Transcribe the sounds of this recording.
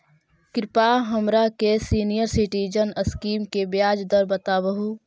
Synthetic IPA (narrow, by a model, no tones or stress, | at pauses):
kɾɪpaɦəmɾakesiːnijəɾsɪʈiːd͡ʒənəskiːmkebjaːd͡ʒd̪əɾbət̪aːbəɦu